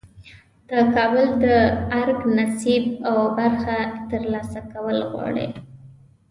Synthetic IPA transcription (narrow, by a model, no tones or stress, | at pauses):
d̪̥əkɑbəld̪əaɾɡnasibawbaɾxat̪əɾlɑsakawəlɣwɑ̰ɽḛ